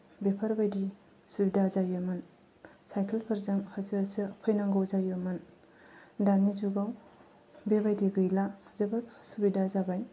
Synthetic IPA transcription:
bepʰɐɾbajdi | subidazajɯmɐn | sajkʰelpʰɐɾzaŋhasiːsɯpʰɔjnaŋɡowzajɯmɐn | danizuɡaw | bebajdibɯjlazɐbɐɾsubidazabaj

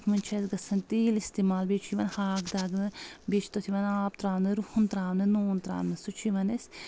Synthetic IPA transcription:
kʰmɐnʲt͡ʃʰɐzɡɐsɐnt̪iːlist̪iːmaːlbeːt͡ʃʰiʋɐnhaːkd̪aːɡnɨbet͡ʃʰt̪ɐt̪ʰiʋɐnaːp̚t̪ɾaːmnɐɾuhunt̪ɾaːmnɐnoːnt̪ɾa̰ːmnɐsut͡ʃʰiʋɐnes

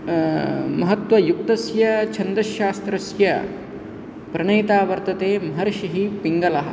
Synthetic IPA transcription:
mɐɦɐt̪ʋɐjuk̚t̪ɐsjɐt͡ʃʰɐnd̪ɾɐʃaːst̪ɾɐsjɐ | pɾɐɳɐjt̪aːʋɐɾt̪ɐt̪eːmɐɦɐɾʃiɦipiŋɡɐlɐɦɐ̆

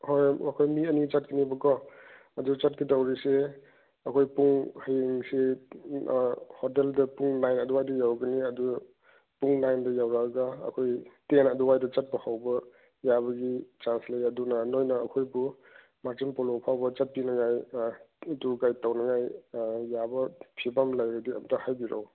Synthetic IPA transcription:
hojɐkʰojmiɐnit͡ʃat̚kinibɔkɔ | ɐdut͡ʃat̚kidawɾise | ɐkʰojpuŋhajeŋse | hɔteldɐpuŋlajnɐduwajdɐjawɡɐniɐdu | puŋlajndɐjawɾaɡaɐ̰kʰojtenɐduwajdɐt͡ʃɐt̚pɐhʰawbɐ | jabɐɡit͡ʃanslajɐdunɐnojnɐːkʰojbu | maɾzimpɔlopʰawbɐt͡ʃɐt̚pinɐŋaj | dukajtawnɐŋajjabɐpʰibamlajɡadiɐ̰mtahajbiɾa̰w

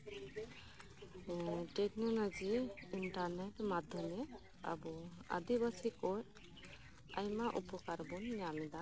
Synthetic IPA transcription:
ʈeknɔlɔd͡ʒiːɳʈaɾneʈmad̪ʱjɔmɛ | a̰bɔa̰d̪ibasikɔɾ | a̰jmaʔupɔkaɾbɔnːjamid̪a

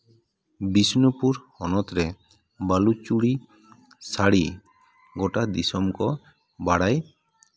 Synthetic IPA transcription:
bisnupuɾhɔnɔt̪ɾɛ | balut͡ʃuɽi | saɽi | ɡɔʈad̪isɔmkɔ | baɽaj

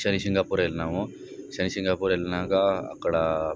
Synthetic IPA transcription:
ʃənisɪŋɡaːpuːɾelnaʋõ | ʃənisɪŋɡapuɾelnãkaɐ̰kɽa

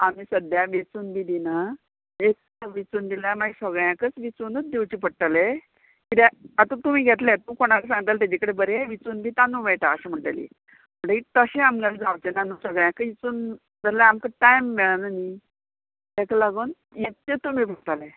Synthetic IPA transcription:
amiːsəd̪jaʋet͡suːnbid̪inə | ek | ʋit͡suːnd̪ilamaɡsəɡɭjãkət͡sʋit͡sunət͡sd̪ewt͡ɕipəɽʈ̪ale | kit̪eat̪ə̃t̪umiːɡʱet̪lẽt̪ukoɽ̃akəs̬ãŋɡt̪alt̪ad͡ʑikəɽebəɾeʋit͡suːnbʱiːt̪anũʋeʈaːɕem̤əɳʈa̰lḭ | m̤əɳəit̪əɕẽamɡald͡zawt͡ɕenanusəɡɭjãkəit͡suːn | d͡zəlaamkəʈajmʋeɭanəni | eklaɡuːn | jet̪t͡ɕet̪um̤iːbʱət̪ale

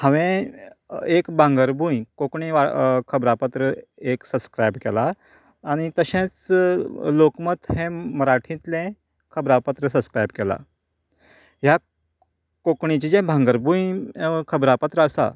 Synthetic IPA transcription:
hãʋẽ | ekbʱãŋɡəɾbʱujkokɳiʋakʰəbɾapət̪ɾəeksəbskɾajbkɛlaː | ɽ̃it̪əɕẽt͡s | lokmət̪hẽməɾaʈʰĩt̪lẽ | kʰəbɾapət̪ɾəs̬əbskɾajbkɛla̰ | ɦja | kokɳit͡ɕid͡ʑẽbʱãŋɡəɾbũjkʰəbɾapət̪ɾəəsa̰

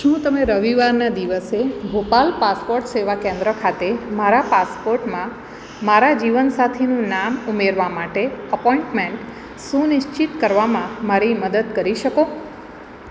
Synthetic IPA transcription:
ʃũt̪əmeɾəʋiʋaɾnad̪iʋəsebʱopalpaspoɾʈseʋakẽnd̪ɾəkʰat̪emaɾapaspoɾʈmã | maɾad͡ʒiʋənsat̪ʰenũnamumeɾʋamaʈeəpɔiɳʈmẽɳʈ | sũnɪʃt͡ʃit̪kəɾʋamãmaɾiməd̪əd̪kəɾiʃəko

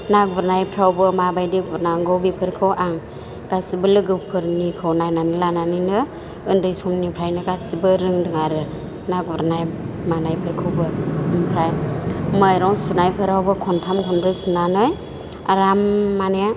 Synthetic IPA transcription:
naɡɯɾnajpʰɾawbɯmabajdiɡɾnaŋɡɯwbipʰɯɾkʰɯwʔaŋ | ɡ̥asibɯlɯɡɯpʰɯɾnikʰɯwnajnanɯlananɯnɯ | ɯndɯjsumnipʰɾajnɯɡasibɯɾɯŋdɯŋaɾɯ | naɡuɾnajmanajpʰɯɾkʰɯwbɯmpʰɾajmajɾɔŋsunajpʰɯɾawbɯkʰɔntʰamkʰɔnɾɯsunanɯj | a̰ɾamːanea

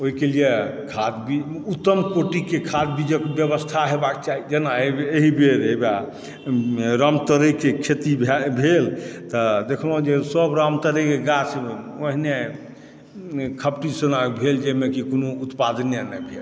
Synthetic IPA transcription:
oɦikelijekʰad̪biut̪ːəmkoʈikekʰad̪bid͡ʒəkbjəbəst̪ʰaɦebak̚t͡ʃaɦid͡ʒenaeeɦibeɾeba | ɾamt̪əɾəkekʰet̪ibʱbʱelt̪ɔd̪ekʰəlõd͡ʒesəbɾamt̪əɾəkeɡase | oɦine | kʰəpʈisənakbʱeld͡ʒemekikonout̪pad̪ənjənabʱel

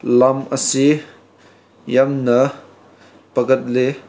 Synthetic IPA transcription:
lɐmʔəsi | jɐmnɐ | pɐkɐt̚le

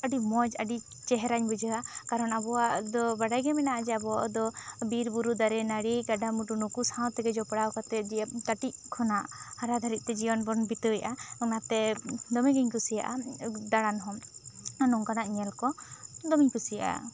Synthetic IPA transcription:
əɖimɔd͡ʒəɖi | t͡ʃɛɦɛɾaɲbud͡ʒəakaɾɔnabɔwaʔd̪ɔbaɖajɡɛmɛnaʔad͡ʒɛabɔaʔɔd̪ɔbiɾbuɾud̪aɾɛnaɽiɡaɖamuʈunukusãwt̪ɛɡɛd͡ʒɔpɽawkat̪ɛd͡ʒiək̪aʈic̚kʰɔnaʔhaɾad̪ʱaɾit̪̚ˀt̪ɛd͡ʒibɔnbɔnbit̪əjaʔaunat̪ɛd̪ɔmɛɡiɲkusija̰ʔad̪aɽanɦɔmanɔŋkanaʔɲɛlkɔd̪ɔmiɲkusijaʔa̰

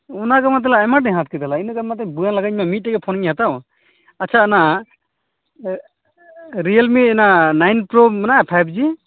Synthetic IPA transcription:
ɔnaɡamat̪̬alaːjmaʈ̚nɛɦat̪̚kɛt̪alainɯɡamat̪ɛbujanlaɡaɲmamit̪̚ːɛɡɛpʰɔnɲɦat̪aw | atːt͡ʃʰaːna | ɾijalmitɛnanajnpɾomanapʰajb̚d͡ʒi

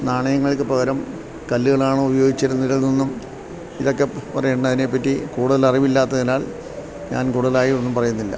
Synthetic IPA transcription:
naːɳɐjɐŋːɐɭkɨpɐɣɐɾɐm | kɐlːuɣɐɭaːɳɨubɐjo̞ːɡit͡ɕːiɾunːɾɐlnonːum | iðo̞kːe̞pɐrɐjeɳɖɐðine̞pːɐtːikuːɽuðɐlɐriʋilːaːt̪ːɐðinaːɭ | ɲa̰ːnkuːɽuðɐlaːjionːumpɐrɐjunːilːɐ̰

